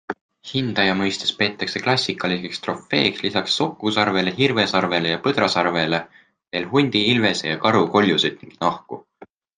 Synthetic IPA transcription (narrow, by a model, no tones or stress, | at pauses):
hind̪̥ɑjɑmɤjst̪espe̞ːt̪ːˑɑkse̞klɑsʲːikːˑɑlisekst̪ro̞fːe̞̰ːkslisɑksːo̞kːˑusɑrve̞leɦirve̞sɑrve̞lejɑpɤd̪̥ɾɑsɑrve̞le̞ | ve̞ːlɦunʲd̪̥iilve̞sḛjɑkɑɾuko̞lʲjused̪̥niŋɡ̥nɑhku